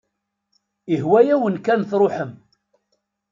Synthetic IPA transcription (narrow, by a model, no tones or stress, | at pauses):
ihwæjæwənkænθɾˤoħəm